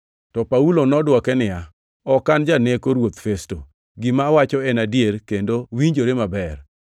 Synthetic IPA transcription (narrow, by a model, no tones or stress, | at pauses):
tɔpaulonɔdwɔkɛnɪja | ɔkand͡ʒanekoɾwot̪festo | ɡɪmawat͡ʃɔɛnadjeɾkendowiɲd͡ʒoɾemabɛr